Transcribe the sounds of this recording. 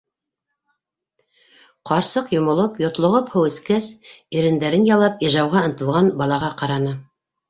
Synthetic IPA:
qɑɾsɤqjŏmŏlˠɤpjŏt̪lˠŏʁɤphŏwɘ̆skæsiɾɘ̆nd̪æɾɘnjɑlˠɑpiʒɑwʁɑɤ̆nt̪ɤ̆lˠʁɑnbɑlˠɑʁɑqɑɾɑnɤ

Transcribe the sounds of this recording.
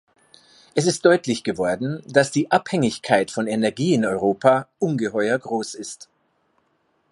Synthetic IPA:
ʔɛs̬ɪst̚d̥ɔʏtlɪçɡ̥əvɔɐdn̩d̥asd̥iːʔaphɛŋɪçkʰaɪtfɔnɛnɛɐɡiːɪnɔʏʁoːpʰaːʔʊnɡəhɔʏɐɡʁoːsɪst

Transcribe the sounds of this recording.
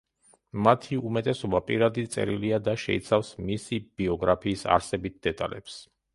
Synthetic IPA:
mat̪ʰiumɛt̪ʼɛsɔbapʼiɾad̪idt̪sʼɛ̰ɾiliad̪aʃɛ̰ḭt̪sʰafsmisib̥iɔɡɾapʰiːsa̰ɾsɛbit̪̚d̪̥ɛt̪ʼa̰lɛ̰ps

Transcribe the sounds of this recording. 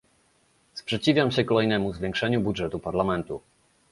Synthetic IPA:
spʂɛt͡ɕivʲamɕɛkɔlɛjnɛmuzvʲjɛ̃ŋkʂɛɲubudʐɛt̪upaɾlamɛnt̪u

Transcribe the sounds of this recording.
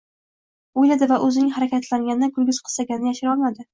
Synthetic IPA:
ojlad̪ɪvaʔɵzɪnɪŋhaɾakʲat̪ʰlaŋʲanɪnɪɡʲʊlɡʲɪz̥qʰɨ̥l̥ˠsaɡʲanɪnɪjaʃɪɾɒlˠmad̪ɪ

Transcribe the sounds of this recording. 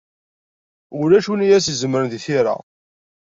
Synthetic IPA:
ʊlæʃunijæsizəmɾənðiθiɾa̰

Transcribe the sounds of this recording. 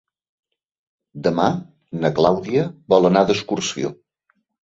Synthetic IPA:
d̪əma | nəklawðiəβɔlˠənaðəskursio̰

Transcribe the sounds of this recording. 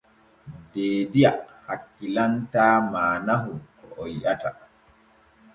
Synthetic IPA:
deːdijahakːilantaːmaːnaɦukɔʔɔjʔata

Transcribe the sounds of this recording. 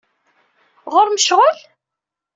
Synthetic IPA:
ʁʊɾməʃʁəl

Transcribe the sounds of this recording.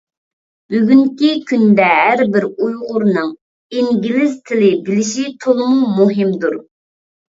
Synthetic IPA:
b̥yɡʲyŋkʲikʲʰynd̪ɛɦæɾbɪɾujʁʊɾnɨŋ | iŋɡʲilɪzt̪ʰɪlɪbɪlɪʃit̪ʰolˠmumuɦɪmd̪uɾ

